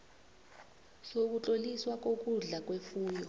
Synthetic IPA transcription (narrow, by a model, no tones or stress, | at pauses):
sok̬ut͡ɬʼoliswak̬ʼok̬ʼuɮak̬ʼwefuːjɔ